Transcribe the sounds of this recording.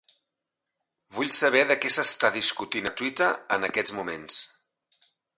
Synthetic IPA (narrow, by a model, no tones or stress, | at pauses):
βuʎsəβ̞ɛðəkɛsəst̪aðiskut̪inət̪wit̪əənəkɛd͡zmumens